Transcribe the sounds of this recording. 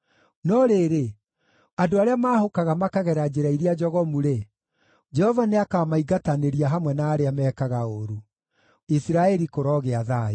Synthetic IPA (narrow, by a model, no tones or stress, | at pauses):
nɔɾeɾe | adoaɾeamaːhokaɣamakaɣɛɾad͡ʒeɾaiɾiad͡ʒɔɣɔmuɾe | d͡ʒɛhɔvaneakaːmaiɡataneɾiaɦamwɛnaːɾeamɛːkaɣaoɾu | isiɾaɛɾikoɾɔːɣeaðai